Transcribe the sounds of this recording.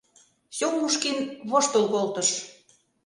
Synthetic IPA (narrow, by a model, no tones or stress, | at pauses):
sʲowmuʃkinβoʃt̪ŏlkolt̪ɤ̆ʃ